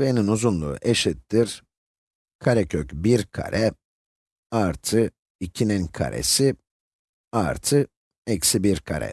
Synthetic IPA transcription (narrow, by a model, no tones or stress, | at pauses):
veninuzunlˠṵːʔeʃit̪ːiɾ | kʰaɾɛcʰøcbiɾkʰa̰ɾɛ | aɾt̪ʰɯ | icʰininkʰa̰ɾʔḛsi | aɾt̪ʰɯ | ɛcsibiɾkʰa̰ɾɛ̰